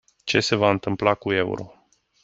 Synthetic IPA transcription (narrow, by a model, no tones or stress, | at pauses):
t͡ʃe̞se̞vaɨnt̪ɨmplakue̞ṵɾo̞̰